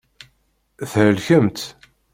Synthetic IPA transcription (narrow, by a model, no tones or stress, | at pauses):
θɾəlçəmt̪